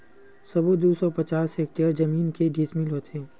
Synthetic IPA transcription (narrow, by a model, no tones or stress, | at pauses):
sɐbod̪uːsɔpɐt͡ʃaːsek̚ʈəɾd͡ʒɐmiːnkeɖismilɦoːt̪ẽː